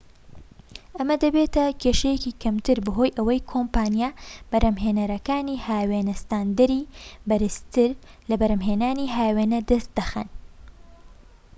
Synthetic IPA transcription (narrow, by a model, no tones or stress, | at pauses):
ʔɐmɐd̪ɐbeːt̪ɐkʰeːʃɐjekiːkʰɐmt̪ɨɾbɐɦo̞ːjʔɐwɐjkʰompaːnijab̥ɐɾʔɐmɦenɐɾɐkaːnihaːweːnɐst̪aːnd̪ɐɾibɐɾɨst̪ɨɾlɐbɐɾɐmɦeːnaːniɦaːweːnɐd̪ɐst̪̚d̪ɐxɐ̰n